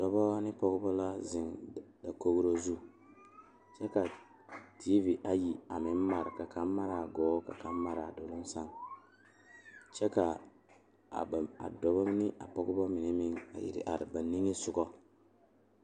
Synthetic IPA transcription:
d̥ɔ˨bɔ˦nɪ˦pɔ˦ɡʊ˦bɔ˦la˦zɪ˨ŋda˨ko˦ɡu˦ɾo˦zu˦ | t͡ʃɛ˦ka˨ | di˦vi˨dʔa˦ji˨a˨mɪ˨˦m˦ma˨ɾka˨ka˦m˦ma˦ɾa˨ɡɔː˨˦ka̰˨ka˦m˦ma˦ɾa˨do˨lʊ˦n˦sa˦ŋ | t͡ʃɛ˦ka˨ | a̰˨dɔ˨bɔ˦nɪ˦ʔa̰˨pɔ˦ɡʊ˦bɔ˦mɪ˨ne˦mɪ˦ŋa̰˨jḭ˨ɾɪ̰˨ʔa̰˨ɾɪ˨ba˨ni˦ŋe˦sʊ˦ɡɔ˦

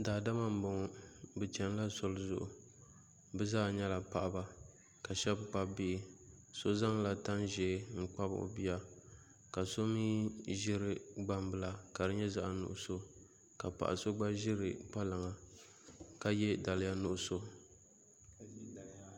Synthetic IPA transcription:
daː˨da˦ma˦m̩˦bo˨ŋ˦bɨ˨t͡ʃɛ˨n˦la˦so˨lʊ˦zʊ̰˨ʔʊ̰˨ | bɛ˦zaː˦˨ɲɛ˦la˨pa˨ʔa˦ba˦ | ka˨ʃɛ˦bk͡pa˦bi˦˨ | so˦za˦ŋla˨ta˦nʒɛː˨˦ŋ̩˦k͡pa˦b̰o̰˨bi˦ja˦ | ka˨so˦miː˦ʒɪ˦ɾɪ˨ɡ͡ba˦m˦bɨ˦˨la˨ka˨dɨ˦ɲɛ˦za˦ʔa˨nʊ̰˨ʔʊ˦so˦ | ka˨pa̰˨ʔa˨so˦ɡ͡ba˦ʒɪ˦ɾɨ˨k͡pa˦la˨ŋa˨ | ka˦jɛ˦da˨lɪ˦ja˦nʊ˨ʔʊ˦so˦

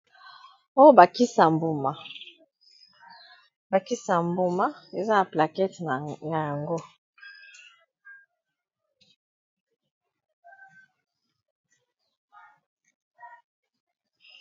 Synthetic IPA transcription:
o˦jo˦ba˨ki˦sa˨mbu˦ma˨ | ba˨ki˦sa˨mbu˦ma˦e˨za˦na˨pla˨kɛ˦tn˨na˨ja˨ŋɡo˦

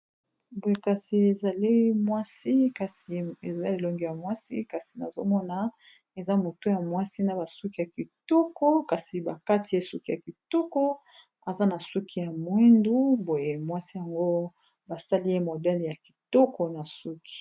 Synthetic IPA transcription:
bo˨je˨ka˨si˨e˨za˨li˦mwa˦si˦ka˨si˨e˨za˦li˨lɔ˦ŋɡi˨ja˨mwa˦si˦ka˨si˨na˨zo˦mɔ˦na˨ | e˨za˦mo˨to˦ja˨mwa˦si˦na˨ba˨su˦ki˦ja˨ki˨tɔ˦kɔ˦ka˨si˨ba˨ka˦ti˨je˦su˦ki˦ja˨ki˨tɔ˦kɔ˦ | a˨za˦na˨su˦kʰi˦ja˨mwi˦ndu˦bo˨je˨mwa˦si˦ja˨ŋɡo˦ | ba˨sa˦li˦je˦mo˨dɛ˦lja˨ki̥˨tɔ˦kɔ˨na˨su˦ki̥˨

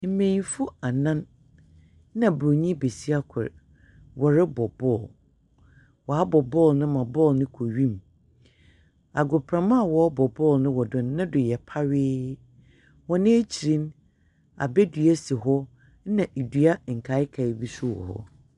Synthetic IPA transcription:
m̩˨mẽ˨nfʊ˦a˨nã˦n˦ | nã˨bɾo˨ɲĩ˦be˨si˦a˦kʰɛ̰˨ɾ | wɔ˨ɾɪ˦bɔ˨bɔ˦˨l | wɔ˨a˦bɔ˨bɔ˦˨lnʊ̃˦mã˨bɔ˦˨lnɪ̃˦kʰo˨ɥĩ˦m | a˨ɡʊ˨pʰɾã˨mã˦˨wɔ˨˦bɔ˨bɔ˦˨lnɪ̃˦wɔ˨dʊ̃˨nː˦ɪ̃˦dʊ˨jɛ˨pʰa˦ɥɪː˦ | wɔ̃˨nɪ̃˦e˦t͡ɕʰi˨ɾĩ˦n | a̰˨bɛ˦dɥæ˦si˨ɦɔ˦ | nã˨ʔe˨dɥa˦ŋ̩˨kʰa˨˦ɪ˦kʰa˨ɪ˨bi˦su˦wɔ̰˨hɔ̰˦

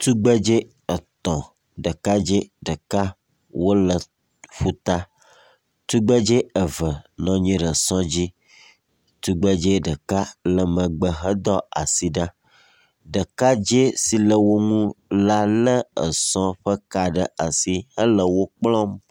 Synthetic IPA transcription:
t̪u˦ɡ͡bə˦d͡ʒe˦ | ə˨t̪ɔ̃˨ | ɖə˨ka˦d͡ʒe˦ɖə˨ka˦ | wo˦lə˨ | ɸu˦t̪a˦ | t̪u˦ɡ͡bə˦d͡ʒe˦ə˨və˨nɔ̃˨˦ɲĩ˦ɖə˨sɔ̃˦d͡ʑi˦ | t̪u˦ɡ͡bə˦d͡ʒe˦ɖə˨ka˦lə˨mə̃˨ɡ͡bə˨ɦə˦d̪ɔ˦a˨si˨ɖã˦ | ɖə˨ka˦d͡ʒe˦si˨lə˨wo˦ŋũ˦la˦lə˦ə˨sɔ̃˦ɸə˦ka˨ɖə˦a˨si˦hə˦lə˨wo˦k͡plɔ̃˦m

